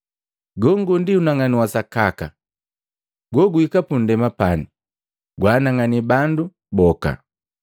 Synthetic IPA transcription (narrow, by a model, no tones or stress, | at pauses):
ɡɔŋɡundiunaŋaniwasakaka̰ | ɡɔɡuikapundɛmapani | ɡwaːnaŋanibandu | bɔka̰